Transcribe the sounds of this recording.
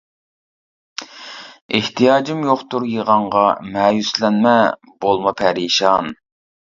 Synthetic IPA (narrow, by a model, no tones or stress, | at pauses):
eht̪ʰijɑːd͡ʒimjoχt̪uɾjəʁɑɴʁɑmɛːjyslɛnmɛ | bolˠmɑpʰɛɾiʃɑn